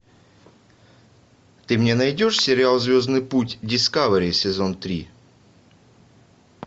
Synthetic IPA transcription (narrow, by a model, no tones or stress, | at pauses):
t̪ɨmnʲenɐjdʲo̞ʂsʲɪɾʲɪalˠzʲvʲo̞znɨjputʲdʲɪskavɾʲɪsʲɪzo̞nt̪ɾʲi